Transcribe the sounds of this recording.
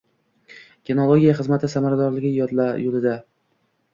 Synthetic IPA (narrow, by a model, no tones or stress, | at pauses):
ɡʲenolˠoɡʲijaχɨzmat̪ʰɪsamaɾad̪ɒɾlɪɡʲɪjɒd̪lajolˠɪd̪a